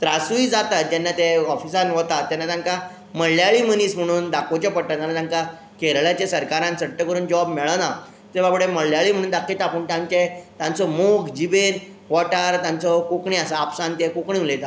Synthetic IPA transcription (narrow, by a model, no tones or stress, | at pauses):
t̪ɾasuid͡zat̪at̪̚d͡ʑɛnːat̪eɔfisãnʋɔt̪at̪ːjɛnːat̪ãŋka | məɭljaɭim̤əniːsm̤əɽ̃uːnd̪akʰot͡ɕapəɽʈːat̪ãnːat̪ãŋka | keɾɭjat͡ɕesəɾkaɾãnsəʈːəkəɾuːnd͡ʑəʋabmɛɭəna | t̪ebapɽeməɭljaɭim̤əɽ̃uːnd̪akʰit̪apəɳt̪ãɲt͡ɕet̪ãnt͡sɔmokd͡ʑiben | ʋɔʈaɾt̪ãnt͡sɔkokɳiasaːpsãnt̪ekokɳĩulet̪a